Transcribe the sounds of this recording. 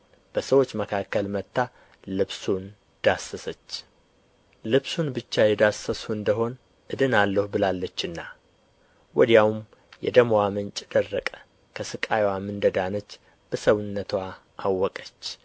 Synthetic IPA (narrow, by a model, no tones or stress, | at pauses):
b̥əsəwo̞t͡ʃːməkʰakːəlmət̪ːa | lɨβsun | d̪̥asːəsət͡ʃː | lɨβsunbɨt͡ʃːajɛd̪asəsuɨnd̪əɦo̞n | ʔɨd̪ɨnalːəhubɨlalːət͡ʃːɨnːa | wɔd̪jawum | jɛ̰d̪əmwamɨnt͡ʃʼd̪̥ərːəkʼə̥ | kʰəsɨkʼajwamɨnd̪əd̪anət͡ʃː | b̥əsəwunːət̪ʰwa | ʔawːɔkʼət͡ʃː